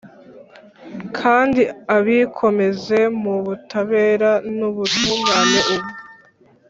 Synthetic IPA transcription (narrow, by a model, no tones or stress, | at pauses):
kʰaːndiaβikʰo̞me̞ze̞muβutʰaβe̞ːɾanuβutuːmɡanoʔuβu